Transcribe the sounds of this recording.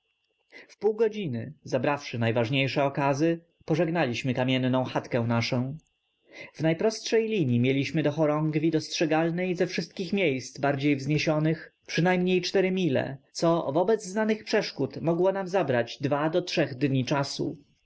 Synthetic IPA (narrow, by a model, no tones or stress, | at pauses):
fpuwɡɔd͡ʑinɘzabɾafʂɘnajvaʐɲejʂɛɔkazɘ | pɔʐɛɡnalʲiɕmɘkamʲjɛnːɔ̃w̃xat̪kɛw̃naʂɔ̃w̃ | vnajpɾɔstʂɛjlʲiɲimʲjelʲiɕmɘd̪ɔxɔɾɔŋɡvʲid̪ɔstʂɛɡalnɛjzɛfʂɘst̪̚kʲixmʲjejst̪zbaɾd͡ʑejvzɲeɕɔnɘxpʂɘnajmɲejt͡ʂt̪ɛɾɘmʲilɛ̰t̪sɔvɔbɛd̪zznanɘxpʂɛʂkut̪mɔɡwɔnamzabɾad͡ʑd̪vad̪ɔtʂɛɣd̪ɲit͡ʂasṵ